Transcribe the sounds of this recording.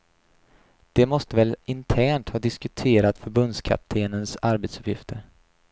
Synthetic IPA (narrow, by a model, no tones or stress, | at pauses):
d̪̥ɛmɔst̪əvɛlɪnt̪ʰæːɳʈhɑːd̪ɪskɵt̪ʰeːɾat̪fœɾbɵnd̪skʰa̰p̚t̪ʰeːnənsaɾbet̪sɵ̥pjɪft̪ʰəɾ